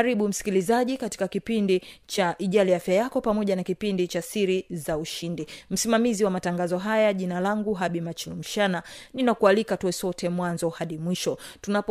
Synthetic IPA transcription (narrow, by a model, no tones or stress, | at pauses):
ɾiɓum̩si̥kilizaʄikati̥kakipindit͡ʃaʔiʄaliafjajakɔpamɔʄanakipindit͡ʃasiɾizauʃindim̩simamiziwamataŋɡazɔɦajaʄinalaŋɡuɦaɓimat͡ʃilum̩ʃananinakualikatuɛsɔtʰɛmwanzɔhaɗimwiʃɔtunap